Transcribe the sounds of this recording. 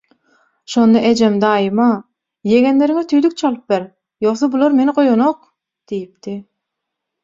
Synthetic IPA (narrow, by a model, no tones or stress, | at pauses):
ʃo̞nd̪ɑʔed͡ʒemd̪ɑːjimɑ | je̞ɡe̞nle̞ɾiŋet̪ʰyjlyk̚t͡ʃʰɑlˠɯp̚beɾ | jo̞χsobulˠɑɾme̞niqo̞jonoq | d̪̥ijip̚d̪i